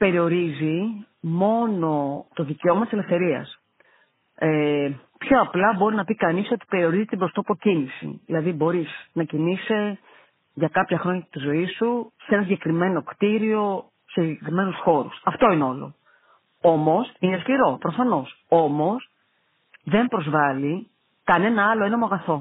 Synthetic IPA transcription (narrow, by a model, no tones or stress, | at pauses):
pe̞ɾio̞ɾizi | mo̞no̞t̪o̞ðiceo̞mɐt̪ise̞lefθe̞ɾiɐ̰s | e | pço̞ɐplɐbo̞ɾinɐpikɐniso̞t̪i̥pe̞ɾio̞ɾizit̪ibɾo̞st̪opocinisḭðilɐðibo̞ɾisnɐcinise | ʝɐkɐpçɐxɾo̞ɲɐt̪izo̞isusenɐsiɲɟekɾime̞no̞kt̪iɾio̞ | sesiɟekɾime̞nusxo̞ɾusɐft̪o̞ineo̞lo̞̰ | o̞mo̞sineskliɾo̞pɾofɐno̞s | o̞mo̞s | ðe̞mpɾo̞zvɐli | kɐne̞nɐɐlo̞e̞nɐmoɐɣɐθo̞